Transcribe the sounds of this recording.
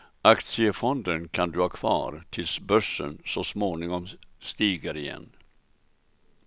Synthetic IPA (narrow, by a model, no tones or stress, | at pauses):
akt̪sɪəfɔnd̪ənkʰand̪ɵhɑːkʰvɑ̰ːɾt̪ʰɪlsbœʂːə̰nsɔsmoːnɪŋɔmst̪iːɡəɾɪjɛ̰nː